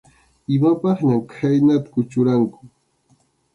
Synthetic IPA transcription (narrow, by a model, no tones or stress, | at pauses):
ɪmapɑχɲamkʰajnat̪ḁkʊt͡ʃʊɾaŋkʊ̥